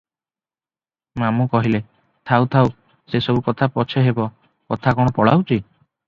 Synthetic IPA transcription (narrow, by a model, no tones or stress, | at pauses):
mamukɔɦile | t̪ʰawt̪ʰaw | sesɔbukɔt̪ʰapɔt͡ʃʰeɦebɔ | kɔt̪ʰakɔɽ̃ɔpɔɽa̰wt͡ʃʰi